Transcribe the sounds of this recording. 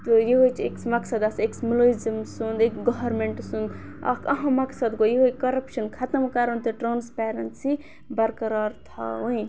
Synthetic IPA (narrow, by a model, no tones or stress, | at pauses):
t̪ojiɦojt͡ʃʰeksmɐksɐd̪ɐseksmiloizɐmsund̪ekɡɔɦɐɾmeɳʈsũnd̪ɐ̰kɐɦɐ̃mɐksɐd̪ɡojiɦojkɐɾɐpʃɐnkʰɐt̪ɐmkaɾɐnt̪eʈɾaːnspeːɾɐnsi | bɐɾkɐɾaːɾt̪ʰa̰ũĩ